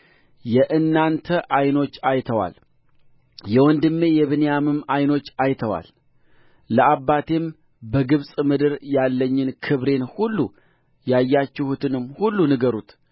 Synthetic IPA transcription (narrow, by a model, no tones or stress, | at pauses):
jɛʔɨnːant̪ʰəʔajno̞t͡ʃːajt̪ʰəwa̰l | jɛwɔnd̪ɨmːe̞jɛβɨnejamɨmajno̞t͡ʃːajt̪ʰəwa̰lː | əʔabːat̪ʰe̞m | bəɡɨβsʼmɨd̪ɨɾjalːəɲːɪnkʰɨβɾe̞nhulːu | jajːat͡ʃːɪhut̪ʰɨnɨmːhulːunɨɡəɾut̪